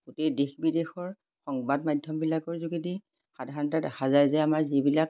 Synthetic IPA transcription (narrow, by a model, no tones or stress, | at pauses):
ɡ̥utejdexbidexɔɹ | xɔŋbadmajdʱjɔmbilakɔɹzuɡidi | xadʱaɹɔntadaxazajzɛamaɹzibilak̚